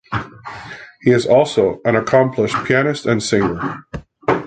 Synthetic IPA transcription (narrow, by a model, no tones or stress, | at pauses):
hiɨzɔlˠsoʊʔɨ̃ñəkʰɑ̃mpʰləʃpʰiænɨstɨ̃nsɪ̃ŋə˞